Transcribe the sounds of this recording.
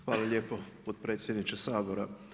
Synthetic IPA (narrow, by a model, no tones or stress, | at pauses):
xʋaːlalʎe̞ːpopot̪̚pɾe̞ːt̪sʲjed̪nit͡ʃesaːboɾa